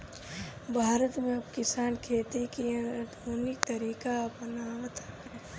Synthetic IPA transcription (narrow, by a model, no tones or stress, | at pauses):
bʱaːɾət̪mẽɐbkɪsaːnkʰeːt̪ikid̪ʱoːnɪk̚t̪ɐɾiːkaɐpnaʋət̪ʰakɾeː